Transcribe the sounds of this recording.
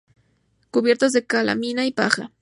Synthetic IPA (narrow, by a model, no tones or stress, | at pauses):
kʊbje̞ɾt̪az̬d̪ekala̰minaipaxa̰